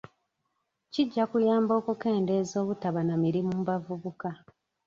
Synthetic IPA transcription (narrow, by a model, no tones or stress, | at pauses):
ciɟːakujaːmbo̞ːkuke̞ːnde̞ːzo̞ːβutaβanamiɾimumubavuβuka